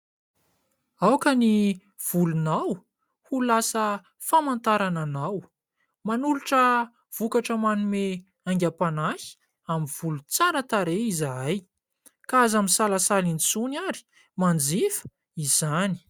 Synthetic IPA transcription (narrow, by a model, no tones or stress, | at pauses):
awkəni | v̥ulunaw | hulasə | famant̪aɾananaw | manuluʈ͡ʂə | v̥ukaʈ͡ʂəmanume | aŋɡʲapanahi̥ | amiv̥ulut͡saɾət̪aɾeizaj | kazamisalasalinisunaɾi̥ | mand͡zifə̥ | iz̥ani̥